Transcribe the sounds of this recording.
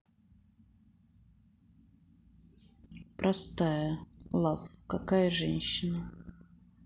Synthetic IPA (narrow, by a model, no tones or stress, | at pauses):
pɾʔɐst̪ajəlˠafkakajəʐɛnʲɕːɪnə